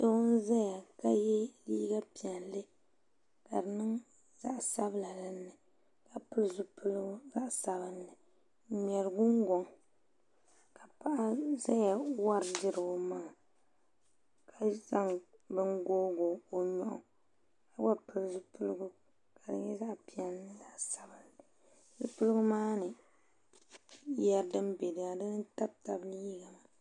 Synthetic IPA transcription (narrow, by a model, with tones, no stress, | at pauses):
so˦wʊ˦n˦za˦ja˨ka˦jɛ˦liː˦ɡa˦pi˨ɛ˨nlɨ˦ | ka˨dɨ˨nɨ˦ŋ | za̰˦ʔsa˦bɨ˦la˨lɨ˦nːɨ˨ | ka˨pɨ˦lzʊ˦pʰɨ˦lɡʊ˦za˦ʔsa˨bɨ˦nːɨ˨˦ | mɛ˨lɨ˨ɡʊ˦ŋ˦ɡo˨ŋ | ka˨pa˦˨ʔa˦za˦ja˨wa˦ɾdɨ˦ɾɡʊ˦maː˦˨ | kʰa˨za˦ŋbɨ˦ŋɡoː˦ɡo˨o˨ɲɔ˨ʔʊ̰˨ | a˦ba˦pɨ˦lzɨ˦pu˦lɨ˦ɡʊ˦ | ka˨dɨ̰˦ɲ˦jɛ˦za˦ʔpi˦˨ɛ˦nːɨ˦za˦ʔsa˨bɨ˨nːɨ˨ | zu˦pʊ˦lɡʊ˦maː˦nɨ˨ | jɛ˦ɾdɨ˦mbe˨dɨ˨a˨dɨ˦n˦ta˦b̚ta˨bliː˦ɡa˨m˨